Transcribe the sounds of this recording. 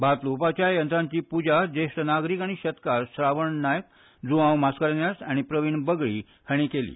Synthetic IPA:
bat̪lupat͡ɕjajənt̪ɾãɲt͡ɕiːpud͡ʑad͡ʑeʂʈ̪ənaɡɾikaɽ̃iɕət̪kaɾsɾaʋəɳnajək̚ | d͡zuãwmaskəɾnjasaɽ̃ipɾəʋiɳbəɡɭḭː | həɽ̃ikelḭː

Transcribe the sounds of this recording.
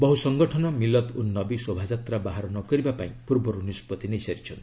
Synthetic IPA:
bɔɦusɔŋɡɔʈʰɔnɔmilɔt̪unːɔbisobʱad͡ʒat̪ɾabaɦaɾɔnɔkɔɾibapaĩpuɾbɔɾunispɔt̪inesaɾit͡ʃʰɔnt̪i

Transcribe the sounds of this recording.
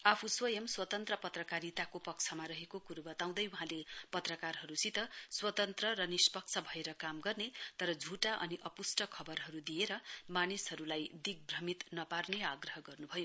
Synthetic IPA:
apʰuswʌjʌmswʌt̪ʌnt̪rʌpʌt̪rʌkaɾit̪akopʌk̚t͡sʰʌmaɾʌɦekokuɾbʌt̪aw̃d̪ʌjuɦãlepʌt̪rʌkarɦʌɾusit̪ʌswʌt̪ʌnt̪rʌɾʌnispʌk̚t͡sʰʌbʱʌeɾʌkamɡʌrnet̪ʌɾʌd͡zʱuʈaʔʌ̰niʔʌpusʈʌkʰʌbʌrɦʌɾud̪ijeɾʌmanishʌɾulajd̪iɡ̚brʌmit̪nʌparneaɡrʌɦʌɡʌrnubʱʌjo

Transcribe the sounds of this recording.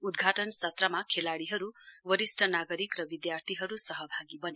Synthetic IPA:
ud̪ɡʱaʈʌnsʌt̪ɾamakʰelaɽiɦʌɾuwʌɾisʈʌnaɡʌɾikɾʌbid̪jart̪ʰiɦʌɾusʌɦʌbʱaɡibʌne

